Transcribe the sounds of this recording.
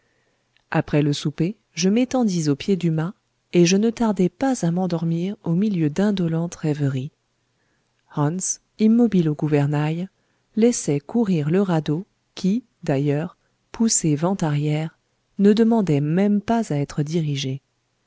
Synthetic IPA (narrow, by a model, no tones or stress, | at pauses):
apχɛləsupe | ʒəmet̪ɑ̃d̪izopjed̪yma | eʒənət̪aʁd̪ɛpazamɑ̃d̪ɔʁmiʁomiljød̪ɛ̃d̪ɔlɑ̃t̪ʁɛvəʁi | hɑ̃ns | imːɔbiloɡuvɛʁnaj | lɛsɛkuʁiʁləʁad̪o | kʲʰi | d̪ajœʁ | pʰusevɑ̃t̪aʁjɛʁ | nəd̪əmɑ̃d̪ɛmɛmpazaɛt̪χəd̪iʁiʒe